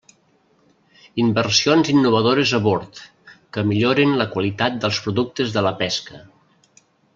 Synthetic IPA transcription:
imbərsionzinːuβ̞əðoɾəzəβoɾt̪ | kəmiʎoɾinləkwəlit̪at̪̚d̪əlˠspɾuðuk̚t̪əzðələpɛskə

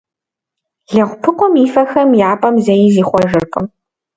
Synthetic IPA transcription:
ɮɐʁʷpʰɨqʷʼɔmiːfɐxɐmjaːpʼɐmzɐjiziːχʷɔʒɨrkʼɨ̰m

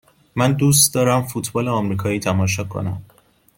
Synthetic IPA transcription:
mænd̪uːst̪d̪ɒːɾæmfuːt̪ʰbɒːleɒːmɾiːkʰɒːiːt̪ʰæmɒːʃ̬ɒːkʰːo̰næm

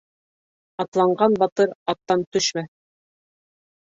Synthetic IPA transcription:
ɑt̪lˠɑɴɢɑnbɑt̪ɤɾɑt̪ːɑnt̪ɵʃmæ

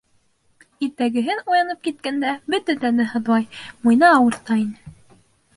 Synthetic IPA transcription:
it̪æɡɘ̆ɦɘnujɑnɤp̚kit̪̚kænd̪æbɵt̪æt̪ænɘɦɤ̆ðwɑjmujnɑːwɤ̆ɾt̪ɑinɘ

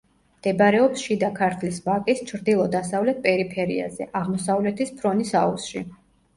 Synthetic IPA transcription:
md̪̥ɛbɾɛɔpsʃid̪akʰaɾt̪ʰlisbakʼist͡ʃʰɾd̪ilˠɔd̪asavlɛt̪̚pʼɛɾipʰɛɾḭa̰zɛ̰ʔaʁmɔsavlɛt̪ʰispʰɾɔnisausʃḭ

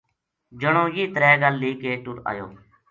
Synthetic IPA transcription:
d͡ʒəɳõːjiːt̪ɾɛːɡəlːiːkeːʈʊɽa̰ːjo̰ː

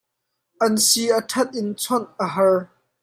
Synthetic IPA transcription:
ʔɐnsiətʰɐt̪̚ʔɪnt͡sʰɔnʔəɦɐɹ

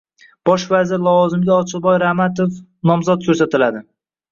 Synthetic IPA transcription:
b̥ɒʃvazɪɾlˠɒvɒzɪmɡʲaɒt͡ʃʰɪlˠbɒjɾahmat̪ʰofnɒmzɒt̪̚kʲʰɵɾsat̪ɪlad̪ɪ

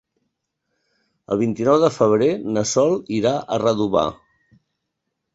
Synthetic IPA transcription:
ə̰lˠβint̪inɔwðəfəβ̞ɾenəsɔlˠiɾaʔərəðuβa̰

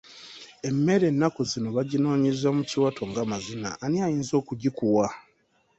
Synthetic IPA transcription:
e̞mːe̞ɾe̞nːakuzino̞βaɟino̞ːɲizamuciwatʰo̞ŋɡamazina̰ʔːniajiːnzo̞ːkuɟikuwa

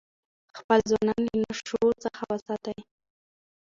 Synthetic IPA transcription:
xpəlzwɑnɑninaʃot͡səxawəsɑt̪aj

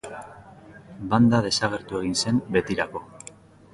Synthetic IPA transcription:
band̪að̞e̞saɣ̞e̞ɾt̪ue̞ɣ̞inse̞mbe̞t̪iɾako̞

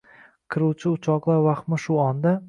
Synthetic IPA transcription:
kʰɪɾuwt͡ʃʰɪʊt͡ʃʰɒqlˠaɾvaχmɪʃʊɒnd̪a

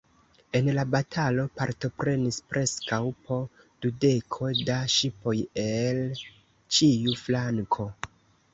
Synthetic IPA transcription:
e̞nlabatʰalo̞paɾto̞pɾe̞nispɾe̞skawpʰo̞ | d̥ude̞kʰo̞daʃipo̞jel | t͡ʃiuflaŋkʰo̞

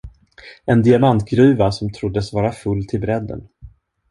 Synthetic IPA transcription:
ɛnd̪ɪamant̪ɡɾʉ̟ːvasɔmt̪ʰɾʊd̪ːəsvɑːɾafɵlːt̪ʰɪlbɾɛd̪ːə̰n

